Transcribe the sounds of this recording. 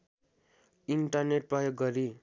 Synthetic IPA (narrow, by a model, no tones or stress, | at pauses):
iɳʈʌrneʈ̚prʌjoɡːʌɾi